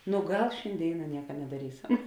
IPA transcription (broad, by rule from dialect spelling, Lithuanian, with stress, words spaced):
nʊ ˈɡɐlˠ ʃʲɪnʲˈdʲeːɪnɐ ˈnʲiɛkɐ nʲɛdɐˈrʲiːsɐm